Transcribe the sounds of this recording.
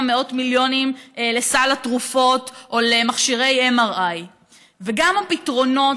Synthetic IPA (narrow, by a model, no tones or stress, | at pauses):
meo̞tmiljo̞nimlesalatʁufo̞tʔolemaχʃiʁe̞jemaʁʔaj | veɡamhapitʁo̞no̞